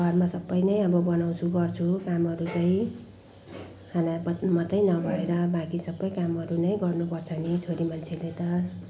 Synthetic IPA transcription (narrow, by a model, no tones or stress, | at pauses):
ɡʱʌrmasʌbːʌjnʌjʌbʌbʌnaw̃t͡sʰuɡʌrt͡sʰukamɦʌɾut͡saĩ | hanapʌmʌt̪ʌjnʌbʱʌeɾʌbakisʌbːʌjkamɦʌɾunʌjɡʌrnupʌrt͡sʰʌnit͡sʰoɾimant͡sʰelet̪ʌ